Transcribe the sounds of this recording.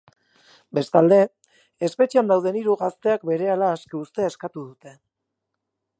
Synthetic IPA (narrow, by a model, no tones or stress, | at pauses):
be̞st̪ald̪e̞ | espe̞t͡ʃiand̪awðe̞niɾuɣast̪e̞ak̚be̞ɾe̞alaːskeust̪e̞eskat̪uðut̪e̞